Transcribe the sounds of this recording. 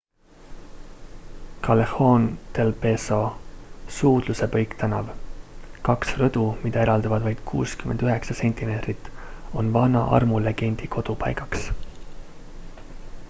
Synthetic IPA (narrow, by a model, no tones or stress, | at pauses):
kɑleho̞nt̪elpeso | suːd̪̥luse̞pɤjkt̪ɑnɑv | kɑksrɤd̪̥umid̪̥ɑe̞ɾɑld̪ɑvɑd̪vɑjd̪̥̚kʰṵːskyme̞nd̪yɦe̞ksɑse̞nʲt̪imet̪rit̪ːˑo̞nvɑnɑ̰ʔɑ̰rmule̞ɡ̥e̞nʲd̪̥ikʰo̞d̪̥upɑ̰jɡɑks